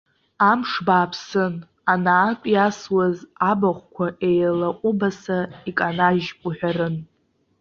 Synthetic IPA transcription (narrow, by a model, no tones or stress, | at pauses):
amʂbaːpʰsɨn | anaːpʼjaswazabaχʷkʷʰaʔe̞jlaqʷʼʊbasaikʼanaʒkʼuħʷᶣaɾɨn